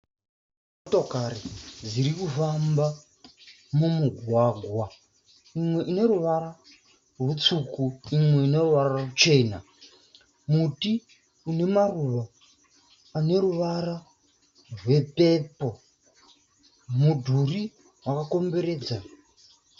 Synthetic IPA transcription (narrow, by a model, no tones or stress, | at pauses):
m | otokaɾid͡ziɾikufamba | mumuɡʱwaɡʱwa | imwe̞ʔine̞ɾuʋaɾa | rwut͡sukuimwe̞ine̞ruʋarararut͡ʃe̞ːna | muti | une̞maruʋaː | ne̞ɾuʋara | rwe̞pe̞po̞ | mudʱuri | rwakako̞mbe̞ɾe̞ːd͡za